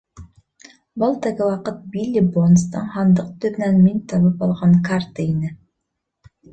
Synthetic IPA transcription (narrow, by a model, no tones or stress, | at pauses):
bolˠt̪əɡɘwɑqɤt̪̚bilʲːibonst̪ɤɴhɑnd̪ɤq̚t̪ɵβnænminʲt̪ʰɑβɤpɑlˠʁɑɴkart̪əinɪ